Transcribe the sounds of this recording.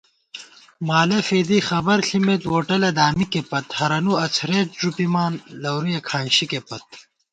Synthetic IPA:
maːlɐfeːd̪ixɐbɐɾɬimet̪woːʈɐlɐd̪aːmikepɐt̪hɐɾɐnuɐt͡sʰɾet̪̚d͡ʑupimaːnlɐwɾijɐkʰaːnɕikepɐt̪̚

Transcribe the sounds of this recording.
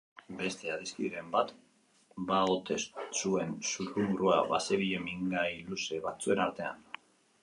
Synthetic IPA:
be̞st̪e̞aðiskiɾe̞mbat̪ | baot̪e̞ssue̞nsuɾuŋɡɾua̰βaseβiʎe̞miŋɡajluse̞βat͡sue̞naɾt̪e̞a̰n

